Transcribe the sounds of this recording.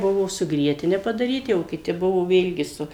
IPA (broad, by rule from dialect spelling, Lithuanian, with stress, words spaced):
ˈbʊʋoː sʊ ˈɡrʲiɛtʲɪnʲɛ pɐdɐˈrʲiːtʲɪ oː kʲɪˈtʲɪ ˈbʊʋoː ˈʋʲeːlʲɡʲɪ ˈsʊ